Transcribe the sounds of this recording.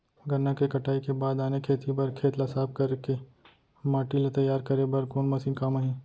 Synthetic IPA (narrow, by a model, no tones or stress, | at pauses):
ɡɐnːakekɐʈaːikebaːd̪aːnekʰeːt̪ibɐɾkʰeːt̪lasaːb̚kɐɾeke | maːʈilat̪ɐjːaːɾkɐɾebɐɾkoːnmɐsĩːkamaɦĩː